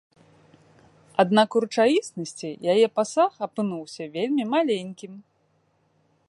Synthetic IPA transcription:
ad̪nakuɾɨt͡ʂajʲisnɐsʲt͡sʲijajɛpasaxɐpɨnuwsʲɐvʲelʲmʲimalʲenʲkʲim

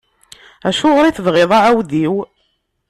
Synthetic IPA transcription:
æʃʊʁɾˤiθəvʁɪðˤaʕawðiw

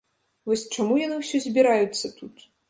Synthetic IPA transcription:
vɔsʲt͡ʂamujanɨwsʲɔzʲbʲiɾajut̪sːɐt̪ut̪

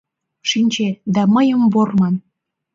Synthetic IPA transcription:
ʃinʲt͡ɕed̪æməjəmbormɑn

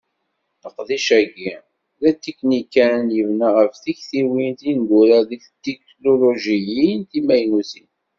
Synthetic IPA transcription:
θəqðiʃæɡi | ðæt̪ːiknikːænjəvnaʁəfθiçθiwint̪inɡ̪uɾaðiçt̪ːik | loloʒijinθimæjnuθin

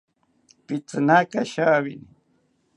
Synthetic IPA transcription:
pit͡sɨnakaʃaːwini

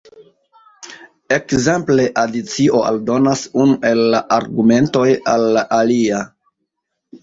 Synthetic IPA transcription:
e̞kzemple̞ʔadit͡siʔo̞a̰ldo̞nasunuʔe̞lːaʔaɾɡume̞nto̞jalːaʔalia

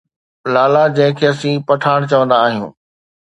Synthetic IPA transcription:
laːlad͡ʑɐ̃ɦɪ̃kʰeːɐsĩpɐʈʰaːɽ̃t͡ɕɐʋə̃nd̪aːɦijṵ̃ː

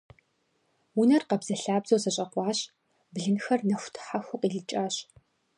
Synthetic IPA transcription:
wʊnɐrqɐbz̥ɐɬaːbzowsɐɕʼɐqʷɑːɕ | bɮɨnxɐrnɐxʷtʰħaxʷʊqiːɮɨt͡ʃʼaːɕ

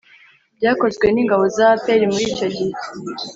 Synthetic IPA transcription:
bjaːko̞zɡwe̞niːŋɡaβo̞zapeɾimuɾiːco̞ɟit

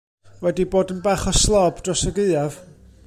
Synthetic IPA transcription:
wɛdiboːdənbaχɔslˠɔbd̥rɔsəɡɨɨav

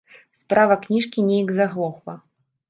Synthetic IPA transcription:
spɾavɐknʲiʂkʲinʲɛjiɡzaɣlˠɔxvˠɐ

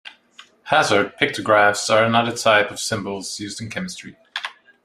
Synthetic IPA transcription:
hæzə˞d̚pʰɪk̚tʰəɡɹæfsə˞ə̃nʌðə˞tʰaɪpʌv̥sɪ̃mbəlˠz̥jʉzdɨ̃n̩kʰɛmɨstɹ̥i

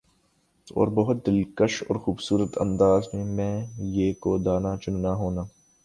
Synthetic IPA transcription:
ɔ̰ːɾbɐɦʊt̪̚d̪ɪlkəʃɔ̰ːɾxuːbsuːɾət̪ʰɐ̰̃nd̪aːzmẽmɛ̃ːjeːkod̪aːnat͡ʃʊnːaɦoːnaː

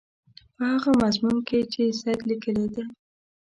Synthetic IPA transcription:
pəhaɣamazmunket͡ʃesajk̪likəled̪e

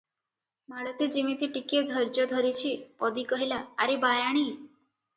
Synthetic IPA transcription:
maɭɔt̪ed͡ʒimit̪iʈikied̪ʱɔɾd͡ʒɔd̪ʱɔɾit͡ʃʰipɔd̪ikɔɦilaːɾibajaɽ̃i

